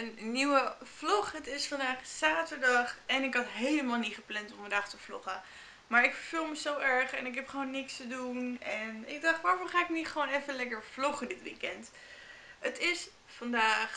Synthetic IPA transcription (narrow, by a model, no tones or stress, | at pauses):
ənniwəv̥lɔχɦətɪsfɑndaːχsaːtəɹdɑχɛnɪkɦɑtɦejləmaːlˠnitχəplɛntɔmfɑndaːχtəv̥lɔ̰χə | maːɹɪkfəɹvɪlˠməzowʔɛɹχɛnɪkɦɛpχəʋownːɪkstədunɛnɪ̰ɡ̚dɑχtʋaːɹvoːɹχaːɪkniχəʋownɛfənlɛkəɹv̥lɔχədɪtʋḭkɛnt | ətɪs | fɑndaːχ